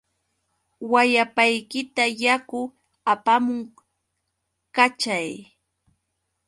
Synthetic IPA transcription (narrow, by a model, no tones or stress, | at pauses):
wajapajkɪt̪ajakʊ | apamʊŋ | kat͡ʃaj